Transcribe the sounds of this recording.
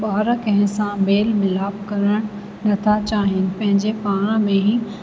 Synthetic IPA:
ɓaːɾkɐ̃ɦɪ̃sãmeːlmɪlaːbkɐɾəɽ̃ | nɐt̪ʰat͡ɕaːɦɪnɪ̆pɐ̃ɦɪ̃ɲd͡ʑepaːɽ̃ãmẽɦi

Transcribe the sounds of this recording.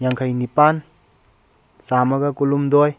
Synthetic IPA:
jaŋkʰajnipan | samɐɡɐkulumd̪ɔj

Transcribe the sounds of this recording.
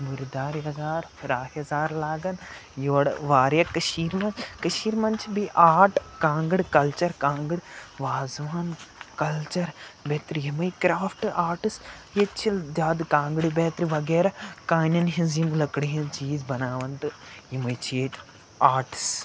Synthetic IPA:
muɾid̪aːɾjɐzaːɾfɾaːhjɐzaːɾlaːɡɐnjoːɽʋaːɾjɐkɐʃiːɾmɐkɐʃiːɾmɐnt͡ʃʰibiʔaːɾʈkãːŋɡɨɽkɐlt͡ʃɐɾkãːŋɡɨɽʋaːzʋaːnkɐlt͡ʃɐɾbeːt̪ɾiɦimɐjkɾaːfʰʈaːɾʈɨs | jet͡ʃʰild͡ʒ̪aːd̪kãːŋɡɽibeːt̪ɾiʋɐɡeːɾɐkaːnɐnɦinzjimlɐkɽiɦĩnt͡ʃiːzbɐnaːʋɐnt̪ɨjimɐjt͡ʃʰeːʈ | aːɾʈs

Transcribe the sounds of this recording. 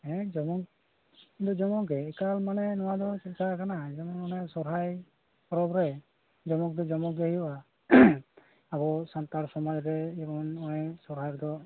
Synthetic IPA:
ɛd͡ʒɔmɔk | d̪ɔd͡ʒɔmɔɡɛɛkalmanɛnɔwad̪ɔsɛtkakanad͡ʒɔmɔɔnɛsɔɾɦaj | pɔɾɔbɾɛ | d͡ʒɔmɔk̚d̪ɔd͡ʒɔmɔkɛɔʔa | abɔsant̪aɾsɔmɔd͡ʒɾɛibɔnɔjsɔɾɦakd̪ɔ

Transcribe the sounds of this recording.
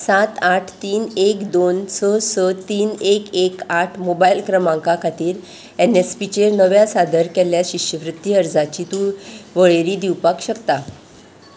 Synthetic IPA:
sat̪aʈʰt̪iːnekd̪onsəsət̪iːnekekaʈʰmobailkɾəmãŋkakʰat̪iːɾ | enespit͡ɕeɾnəʋjasad̪ʱəɾkɛljaɕiɕəʋɾut̪ːiəɾd͡zat͡ɕit̪uːʋəɭeɾiːd̪iwpakɕəkt̪a

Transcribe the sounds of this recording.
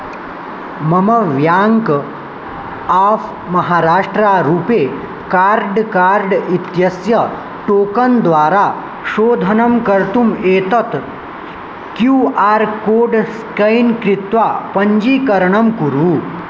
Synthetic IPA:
mɐməʋjaŋk | af | mɐɦaɾaːʂʈɾaɾuːpe | kaɾɖkaɾɖit̪jɐsjɐ | ʈoːkənd̪ʋaːɾa | ɕoːd̪ʱənəmkəɾt̪umeːt̪ət̪ | kjuːaːɾkoːɖskɐjnkɾit̪ʋapəɲd͡ʑiːkɐɾɳəmkuɾuː

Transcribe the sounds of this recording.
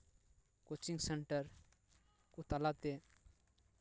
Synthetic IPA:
kot͡ʃiŋseɳʈəɾ | kut̪alat̪e

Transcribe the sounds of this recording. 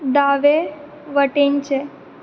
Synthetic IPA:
d̪aʋe | ʋəʈeɲt͡ɕe

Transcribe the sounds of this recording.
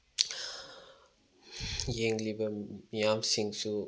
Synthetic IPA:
jeŋlibɐmijamsiŋsu

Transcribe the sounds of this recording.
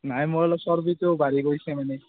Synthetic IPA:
najmoalɔsɔɾbit̪ewbaɾiɡojsʰemane

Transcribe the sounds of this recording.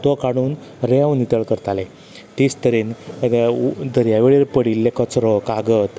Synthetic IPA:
t̪ɔkaɽ̃uːn | ɾeaʋnit̪əɭkəɾt̪ale | t̪iːst̪əɾiːn | d̪ʱəɾjaʋeɭeɾpəɽilːekət͡sɾɔkaɡət̪

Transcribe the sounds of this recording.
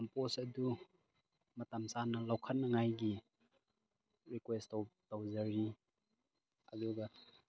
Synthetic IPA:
ɐmposɐdu | mɐtamsanɐlawkʰɐtnːɐŋajɡi | ɾikwestawtawzɐɾi | ɐduɡɐ

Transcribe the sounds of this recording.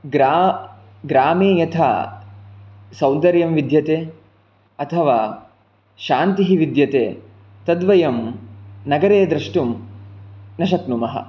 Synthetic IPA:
ɡɾa | ɡɾaːmeːjɐt̪ʰa̰ː | sɐwnd̪ɐɾjɐmʋid̪jɐt̪eː | ɐt̪ʰɐʋaː | ʃaːnt̪iɦiʋid̪jɐt̪eː | t̪ɐd̪ʋɐjɐmnɐɡɐɾeːd̪ɾɐʂʈum | nɐʃɐt̪numɐɦɐ̰

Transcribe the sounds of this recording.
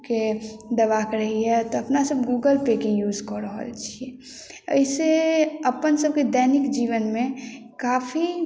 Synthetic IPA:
ked̪əʋakɾəɦiɦɛt̪ɔɐpnasəbɡuːɡəlpekejuːd͡ʒkɔɾəɦə̰lt͡ʃʰiɛ | ə̰ɪseəpənsəb̚ked̪ɛːnɪkd͡ʒiːʋənmẽ | kaːpʰi

